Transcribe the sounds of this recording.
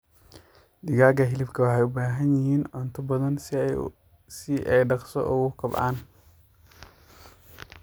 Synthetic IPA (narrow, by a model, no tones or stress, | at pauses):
d̪ɪɣaːɡɐɦɪlɪbkʰɐwɑħɛjʊbaːɦɐnjɪɦiːnʕɔnt̪ʰɐbɐðɐn | sɪʔɛjɖɑqsɔ̰ʔʊɣʊkʰɐba̰ːn